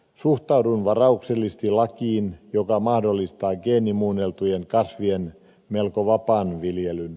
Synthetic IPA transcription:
suht̪ɑudunʋɑrɑukselːist̪ilɑkiːnjokɑmɑhdolːist̪ɑːɡeːnimuːnelt̪ujeŋkɑsʋien | melkoʋɑpɑːnʋiljelyn

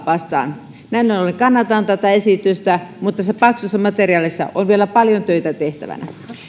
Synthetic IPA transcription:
ʋɑst̪ɑ̰ːn | næinːonoleŋkɑnːɑt̪ɑnt̪æt̪ɑesit̪yst̪æmut̪ːɑsepɑksusːɑmɑt̪eriɑːlisːɑ̰ʔonʋielæpɑljont̪øit̪æt̪eht̪æ̰ʋæ̰næ̰

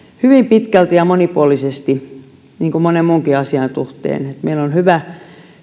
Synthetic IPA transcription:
hyʋimpit̪kælt̪ijɑmonipuolisest̪i | niːŋkumonemmuŋkiɑsiɑnsuht̪ḛːnet̪meilonhyʋæ

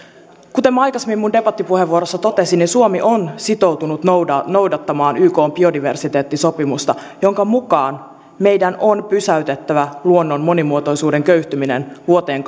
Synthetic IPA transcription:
kut̪emɑjkɑsemːimːunde̞bɑt̪ːipuhe̞ʋːuoɾosːɑt̪o̞t̪e̞sinninsuo̞miʔonsit̪o̞wt̪unut̪no̞wdɑt̪ːɑmɑːnyːko̞ːmbio̞diʋe̞̰rsit̪e̞ːt̪ːiso̞pimust̪ɑ | jo̞ŋkɑmukɑːn | me̞jdænonpysæyt̪e̞t̪ːæʋæluonːonmo̞nimuot̪o̞jsuːdeŋkø̞ɥht̪yminḛnʋuot̪eːŋk

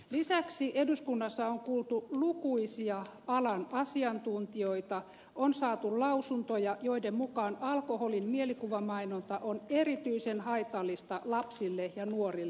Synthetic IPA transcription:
lisæksiʔeduskunːɑsːɑoŋkuːlt̪ulukuisiɑ | ɑlɑnɑsiɑnt̪unt̪ioit̪ɑ | onsɑːt̪ullɑusunt̪ojɑjoidemmukɑːnɑlkoholinmielikuʋɑmɑinont̪ɑʔonerit̪yisenhɑit̪ɑlːist̪ɑlɑpsilːejɑnuorilː

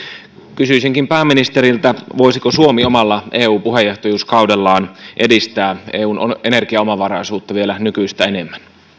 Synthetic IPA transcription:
kysyisiŋkimpæːmːinist̪eɾilt̪æʋo̞isikosuomiomɑlːɑeːuːpuɦejeht̪ojuːskɑudelːɑːnʔe̞dist̪æːḛːuːno̰ene̞rkiɑomɑʋɑrɑisuːt̪ːɑʋielænykyist̪æenemːæn

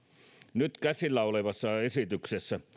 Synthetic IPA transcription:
nyt̪kæsilːæoleʋɑsːɑesit̪yksesːæ

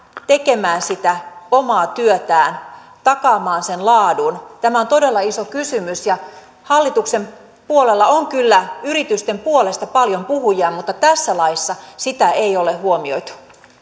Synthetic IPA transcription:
t̪e̞ke̞mæːnsit̪æomɑːt̪yøt̪æːn | t̪ɑkɑːmɑːnsenlɑːdunt̪æmæont̪ode̞lːɑisokysymysjɑ | hɑlːit̪ukse̞m | puole̞lːɑoŋkylːæyɾit̪yst̪e̞mpuole̞st̪ɑpɑljo̞mpuɦujɑːmut̪ːɑt̪æsːælɑisːɑsit̪æeijoleɦuomio̞̰jt̪u̥

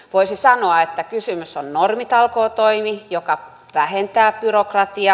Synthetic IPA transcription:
ʋoisisɑnoɑet̪ːækysymysonnormit̪ɑlkoːt̪oimijokɑ | ʋæhent̪æːb̥yrokrɑt̪iɑ

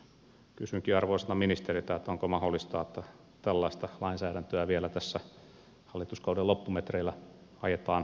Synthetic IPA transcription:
kysyŋkiɑrʋoisenɑminist̪erit̪æet̪ːoŋkomɑholːist̪ɑːet̪ːæ | t̪ælːɑist̪ɑlɑinsæːɾænt̪øæʋielæt̪æsːæ | hɑlːit̪uskɑuwdelopːumet̪reilːæ | ɑjet̪ɑːn

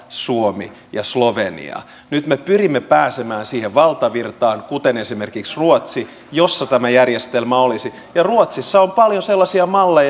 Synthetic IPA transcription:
suomḭ | jɑsloʋenḭɑ̰ | nyt̪mepyrimːepæːsemæːnsiːheʋʋɑlt̪ɑʋirt̪ɑːŋkut̪enesimerkiksruot̪si | josːɑt̪æmæjærjest̪elmæolisi | jɑruot̪sisːɑompɑljoselːɑsiɑmɑlːej

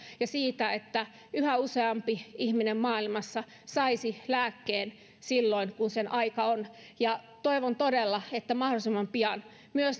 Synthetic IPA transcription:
jɑsiːt̪æet̪ːæ | yhæuseɑmpiihminemmɑːilmɑsːɑ | sɑisilæːkːeːn | silːoinkunsenʔɑikɑon | jɑt̪oiʋont̪odelːɑet̪ːæmɑhdolisemːɑmpiɑn | myøs

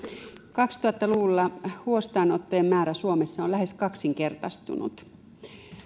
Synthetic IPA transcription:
kɑkst̪uɑt̪ːɑluʋulːɑhuost̪ɑːnot̪ːojemːæːɾæsuomesːɑolæhe̞skɑksiŋke̞rt̪ɑst̪ṵnṵt̪

